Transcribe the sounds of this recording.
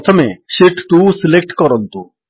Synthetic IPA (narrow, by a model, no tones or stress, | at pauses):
t̪ʰomeʃiʈʈusilek̚ʈkɔɾɔnt̪u